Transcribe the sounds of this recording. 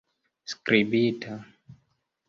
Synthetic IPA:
skɾibitʰa

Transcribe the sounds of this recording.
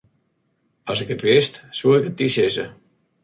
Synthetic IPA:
ɔsɪkətʋɪstsuɪkət̚isɪsə

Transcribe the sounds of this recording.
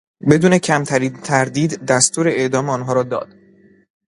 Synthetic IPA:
be̞d̪uːne̞cʰæmt̪ʰæɾiːnt̪ʰæɾd̪iːd̪ːæst̪uːɾe̞eʔd̪ɒːmeɒːnɦɒːɾɒːd̪ɒ̰ːd̪̥

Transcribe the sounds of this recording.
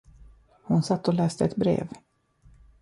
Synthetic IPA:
hʊnsat̪ːɔlɛːst̪əɛt̪bɾḛːv

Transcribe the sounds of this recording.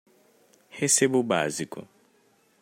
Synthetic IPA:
hesebuba̰zikṵ

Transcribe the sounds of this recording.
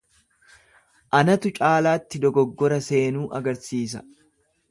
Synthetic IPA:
ʔɐnɐt̪ʊt͡ʃʼaːlaːt̪ːɪd̪ɔɡɔɡːɔɾɐse̞ːnuːʔɐɡɐɾsiːs̬ɐ̥

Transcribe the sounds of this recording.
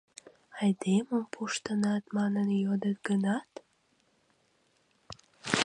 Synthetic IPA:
ajd̪emʊmpʰoʃt̪ɨnat̪mananɪjɒd̪ɪt̪̚ɡɨnat̪

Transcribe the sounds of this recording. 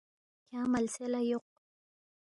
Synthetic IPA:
kamalselajoq̚

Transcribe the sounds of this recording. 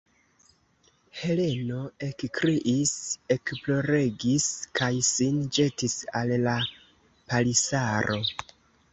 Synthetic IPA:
he̞le̞no̞e̞kkɾiʔise̞kplo̞ɾe̞ɡiskʰajsind͡ʒe̞tisalla | palisaɾʔo̞

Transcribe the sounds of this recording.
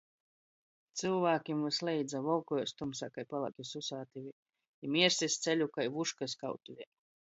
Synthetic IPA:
t̪sɨlˠvaːkʲimvɨslʲɛjd̪zavɔlkɔjɔst̪umsakajpalˠa̰kʲisusaːt̪ivʲi | imʲiɛɾsisʲt̪selʲukajvuʃkasʲka̰wt̪uvʲi

